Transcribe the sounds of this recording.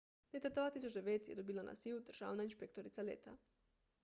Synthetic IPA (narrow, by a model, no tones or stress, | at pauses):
leːt̪ad̪vaːt̪is̬ot͡ʃd̪eʋeːt̪jed̪obilanʔa̰siːlud̪rʒ̥a̰ːwnainʃpek̚t̪oɾit̪salḛːt̪a